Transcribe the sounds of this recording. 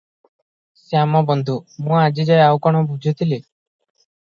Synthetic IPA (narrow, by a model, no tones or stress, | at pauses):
seamabɔnd̪ʱumũad͡ʒid͡ʒajawkɔɽ̃obud͡ʒʱit̪ʰili